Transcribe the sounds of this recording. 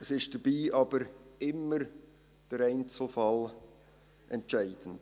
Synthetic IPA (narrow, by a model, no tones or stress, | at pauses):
əsɪʃd̥əb̥iːʔɑb̥əɾɪmːəɾ | d̥əɾæɪnt͡sl̩fɑl | ʔɛntt͡ʃæɪd̥ən̩d̥